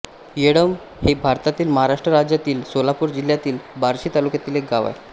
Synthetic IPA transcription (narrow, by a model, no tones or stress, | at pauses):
jeɽəm | hebʱaɾt̪at̪iːlməɦaɾaʂʈɾəɾad͡ʑjat̪iːlsolapuːɾd͡ʑiljat̪iːlbaɾɕiːt̪alukjat̪iːlek̚ɡaʋa̰j